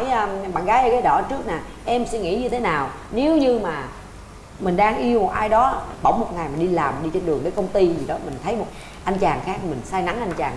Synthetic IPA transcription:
jːɓa̰ː˧˨nɣaː˨˦jʔə˧˩kaː˨˦ɗɔ̰˧˩t͡ɕɨ˦˥ək̚naː˨˩ | ʔɛ˧msɛ̰˧˥ŋḭ˧˥ɲɨ˧t̪ʰe˨˦naː˨˩w | ne˨˦wɲɨ˧maː˨˩ | mï˨˩ŋ̟ɗaː˧ŋʔi˧əwmo˨˩t̚ʔaː˧jɗɔ˨˦ɓə̰˧˩wŋ͡mmo˨˩t̚ŋa˨˩jm˨˩ɗi˧laː˨˩m˨˩ɗi˧t͡ɕe˧nɗɨ˨˩əŋɗəː˨˦jkə˧wŋ͡mt̪i˧zi˨˩ɗɔ˨˦mï˨˩ŋ̟t̪ʰə˨˦jmo˨˩t̚ | ʔa˧jŋ̟t͡ɕaː˨˩ŋxaː˦˥k̚mï˨˩ŋ̟saː˧jna˨˦ŋʔa˧jŋ̟t͡ɕaː˨˩ŋ

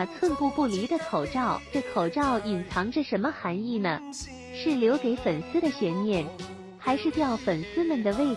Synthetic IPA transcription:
t͡sʰwə˥˧npu˥˧pu˥˩li˧˥d̪ə˧kʰo˨˩ʊʈ͡ʂɑ˥˩ʊʈ͡ʂɤ˥˩kʰo˨˩ʊʈ͡ʂɑ˥˩ʊi˨˩nt͡sʰɑ˧˥ŋʈ͡ʂə˧ʂə˧˥nmə˧xa˧˥ni˥˩nə˩ | ʂɻ̩˥˩ljo˧˥ʊke˧˥ɪfə˨˩nsɹ̩˥d̪ə˨ɕɥɛ˧˥nmjɛ˥˩n | xa˧˥ɪʂɻ̩˥˧t̪jɑ˥˩ʊfə˨˩nsɹ̩˥mə˨nd̪ə˩we˥˧ɪ

